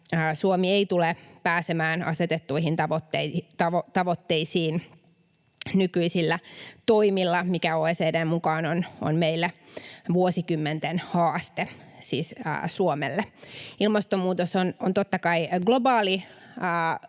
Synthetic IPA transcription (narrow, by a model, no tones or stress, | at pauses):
əːsuomieit̪ulepæːsemæːnɑ̰set̪et̪ːuihint̪ɑʋot̪ːet̪ɑʋot̪ɑʋot̪ːeisiːn | nykyisilːæt̪oimilːɑmikæoːeːseːdeːmmukɑːnono̰nmeilːeʋuosikymːent̪enhɑːst̪esiːsə̰ːsuomḛlːeilmɑst̪omuːt̪osonont̪ot̪ːɑkɑiɡlobɑːliː